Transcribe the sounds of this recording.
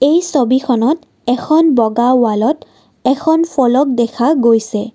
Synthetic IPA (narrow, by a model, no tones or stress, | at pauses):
ejsobikʰɔnɔt | ɛkʰɔnbɔɡawalɔt | ɛkʰɔnpʰɔlɔk̚dɛkʰaɡojsɛ